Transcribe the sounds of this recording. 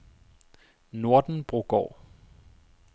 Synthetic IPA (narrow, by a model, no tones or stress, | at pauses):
no̝ɐ̰d̥n̩b̥ʁoɡ̥ɒ̰ː